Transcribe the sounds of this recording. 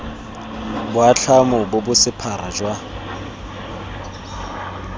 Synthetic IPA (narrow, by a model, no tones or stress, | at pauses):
bʊat͡ɬʰamʊbʊbʊsɪpʰaɾad͡ʒwa